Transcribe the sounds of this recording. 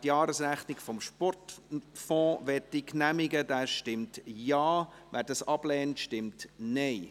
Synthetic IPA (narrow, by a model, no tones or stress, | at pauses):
tjɑːɾəsɾæχnɪɡfɔmʃpɔrtfɔ̃ːʋɛtd̥iknæmɪɡədæːʃtɪmtjɑː | ʋæːdɑsɑb̥lɛːntʃtɪmtnɛɪ